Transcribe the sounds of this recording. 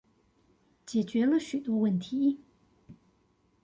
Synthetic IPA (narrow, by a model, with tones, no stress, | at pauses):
t͡ɕjɛ˨˩t͡ɕɥɛ˧˥lə˧ɕy˨˩t̪wɔ˥wə˥˩nt̪ʰi˨˦